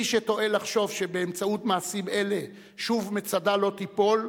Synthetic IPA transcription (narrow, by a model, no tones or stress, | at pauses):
iʃet̪o̞e̞laχʃo̞vʃe̞be̞ːmt͡sautmaːsime̞le̞ | ʃuvmet͡sadalo̞t̪ipo̞l